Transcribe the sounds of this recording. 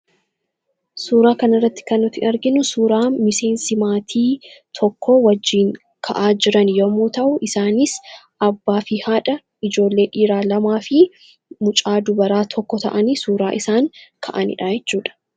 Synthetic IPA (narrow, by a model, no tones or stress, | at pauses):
suːɾaːkɐnɐrːɐt̪ːɪ̥kɐnːʊt̪ɪʔɐɾɡɪnʊsuːɾaːmɪse̞ːnsɪmaːt̪ʰiːt̪ʰɔkːɔwɐd͡ʒːiːŋ | kʰɐʔaːd͡ʒɪɾɐnjomuːt̪ɐʔʊʔɪsaːnɪs | ʔɐbːaːfɪhaːᶑɐ | ɪd͡ʒo̞ːlːe̞ːᶑiːɾaːlɐmaːfɪ | mʊt͡ʃʼaːd̪ʊbɐɾaːt̪ʰɔkːɔt̪ɐ̰ʔɐnisuːɾaːʔɪsaːŋkʰɐʔɐnɪ̰ᶑɐjɛt͡ʃːuːᶑɐ̥